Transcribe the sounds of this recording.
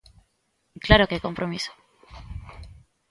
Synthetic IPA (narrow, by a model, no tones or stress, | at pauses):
klaɾokeko̞mpɾomiso̥